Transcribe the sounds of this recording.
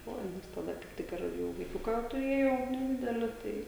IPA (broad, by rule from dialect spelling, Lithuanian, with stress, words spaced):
ˈoːɪ nʲɛs tɐˈdɐ kɐɪp ˈtʲɪk ɪr ˈjɛʊ ʋɐɪˈkʲʊkɑː tʊˈrʲeːjɛʊ nʲɛˈdʲɪdʲɛlʲɪ ˈtɐɪ